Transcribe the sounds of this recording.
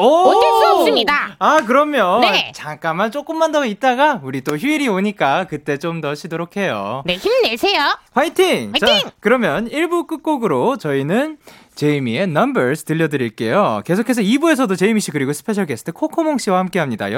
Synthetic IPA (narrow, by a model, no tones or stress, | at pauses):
ʌoes͈os͈ɯmɲidaak̬ɯɾʌmjʌnt͡ɕaŋk͈amant͡ɕ͈ok͈ɯmːandʌit̚t͈aɡauɾit͈oçjuiɾioɲik͈akɯt͈e̞t͡ɕomdʌɕʰidoɾokʰe̞jo̰neçimnesʰejopʰaitʰiŋt͡ɕakɯɾʌmjʌniɭbuk͈ɯk͈̚oɡɯɾot͡ɕʌinɯn | t͡ɕe̞imie̞nʌmbeɾsʰtɯʎːʌdɯɾiɭk͈e̞̰joke̞sʰokʰe̞s̬ʰʌibue̞s̬ʰʌdot͡ɕe̞imiɕ͈ʰikɯɾiɡosʰɯ̥pʰe̞ɕʰʌɭkʰesʰɯ̥tʰekʰokʰomoŋɕ͈iwahamk͈e̞ɦamɲida̰jʌ